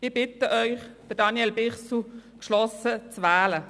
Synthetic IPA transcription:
ɪb̥ɪtəʔœʏχd̪̥əd̥ɑnjɛlbɪʁsukʃlɔsət͡sʋæːlə

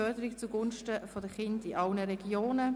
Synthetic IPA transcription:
œdəɾikt͡suɡʊnʃtəfodəχɪndiʔɑlnəɾɛɡjoːnə

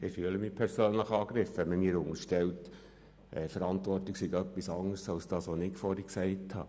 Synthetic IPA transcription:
ɪfyələmipʰɛɾsøːnləχɑːɡɾɪfɛnməmiːɾʊŋəɾʃtɛlt | ʔɛfəɾɑntʋɔrtlɪksiɡœpːisɑŋːəɾsɑlsd̥ɑːsʋonɪkfɔːɾiksɛɪthɑ̰ː

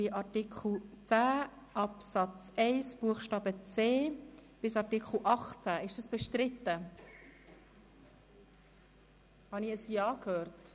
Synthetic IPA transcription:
iʔɑɾtikʰl̩t͡sæː | ʔɑpsɑt͡sɛɪsb̥uəχʃtɑːbət͡seːb̥ɪsɑɾtikχl̩ˠʔɑχt͡sæɪʃd̥ɑsb̥ɛʃtɾɪt̪ːə | hɑniəsjɑːkhøːɾt

